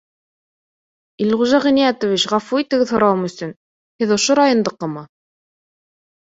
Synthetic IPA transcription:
ilʁuʒɑʁɘ̆nijæt̪ŏvit͡ɕʁɑfuit̪ɘ̆ɡɘðhŏɾɑwɤmɵ̆sɵn | hɘðŏʃoɾɑjŏnd̪ɤ̆qːɤmɑ

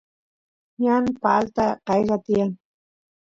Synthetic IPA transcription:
ɲanpalt̪aqɑjɢɑt̪ɪjaŋ

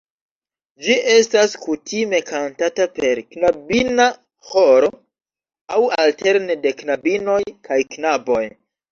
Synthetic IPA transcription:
d͡ʒiʔe̞staskutime̞kantatape̞ɾknabina | ho̞ɾo̞ | awalte̞ɾnede̞knabino̞jkʰajknabo̞j

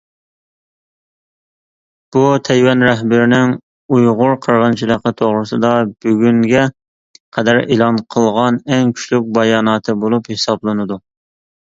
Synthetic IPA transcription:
b̥ut̪ʰɛjwɛnɾɛɦbɪɾɪnɪŋ | ujʁʊɾqʰəɾʁənt͡ʃʰilˠəqːət̪ʰoʁɾɨsɨd̪ɑb̥yɡʲyŋɡʲɛ | qʰɛd̪æɾelˠɑnqʰəlˠʁɑnɛŋkʲʰy̥ʃlyk̚ʲbɑjɑːnɑːt̪ʰɨbolˠuphesɑblˠɨnɨd̪u

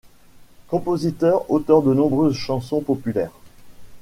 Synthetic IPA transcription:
kɔ̃pozit̪œʁot̪œʁd̪ənɔ̃bʁøzʃɑ̃sɔ̃pɔpylɛːʁ

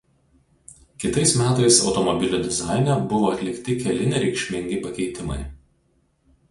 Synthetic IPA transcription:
kʲɪt̪ɐɪsmʲæːt̪ɐɪsɒ̰ʊt̪ɔmɔbʲɪlʲʊd̪ʲɪzɑˑɪnʲɛbʊʋoːɐt̪ʲlʲɪkt̪ʲɪkʲɛlʲɪnʲɪɾʲɛɪkʃʲmʲɪŋʲɡʲɪpɐkʲɛɪt̪ʲɪmɐ̰ɪ

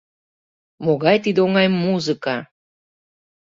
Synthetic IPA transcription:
moɣɑjt̪id̪eoŋɑjmuzɨkɑ

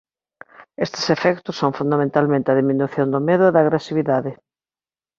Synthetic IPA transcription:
est̪ɪ̥sefɛkt̪ʊsːõŋfund̪amẽnt̪almẽnt̪eɐðiminuθjond̪ʊmeðʊeðaːɣɾesiβ̞iðaðɪ

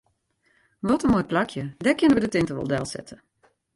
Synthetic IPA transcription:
ʋɔtənmoj̚plakʰjədɛkɪnəʋədətɪntəʋɔ̰lˠdɛlˠsɛ̰tʰə

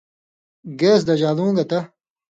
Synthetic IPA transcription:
ɡeːsd̪ɐʑaːlũːɡɐt̪ɐ

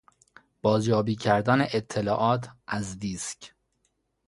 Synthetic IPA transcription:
b̥ɒːzjɒːbiːcʰæɾd̪æneʔet̪ʰːe̞lɒːʔɒːt̪ʰʔæzd̪iːscʰ

